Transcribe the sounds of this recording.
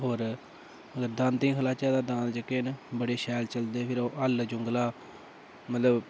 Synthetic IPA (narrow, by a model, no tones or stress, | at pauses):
ɦoːɾ | əɡəɾd̪ãːnt̪ĩːkʰəlaːt͡ʃaːd̪aːd̪ãːnd͡ʒəkːeːnbəɽeːʃɛːlt͡ʃəld̪eːpʰɪɾoːʔəld͡ʒʊŋɡlaː | mət̪ləb